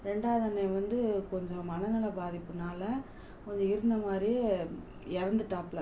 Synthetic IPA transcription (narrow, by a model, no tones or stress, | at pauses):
ɾɛɳɖaːʋɐðɐnːeːʋɐnd̪ɯkɔɲd͡ʒɔ̃mɐnɐnɐlɐbaːðɪpːɯnaːlɐ | kɔɲd͡ʒɔ̃ɪɾɯnd̪ɐmaːd̪ɾi | ɛɾɐnd̪ɯʈaːpːlɐ